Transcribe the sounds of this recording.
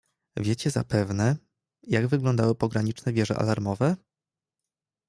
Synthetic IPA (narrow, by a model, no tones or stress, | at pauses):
vʲjet͡ɕɛza̰pɛvnɛ | jaɡvɘɡlɔnd̪awɘpɔɡɾaɲit͡ʂnɛvʲjɛʐɛ̰ʔa̰laɾmɔvɛ